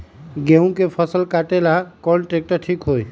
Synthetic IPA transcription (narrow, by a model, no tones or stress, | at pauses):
ɡeũkepʰəsəlkaːʈelakɔnʈɾeːk̚ʈəɾʈʰiːkɦoːi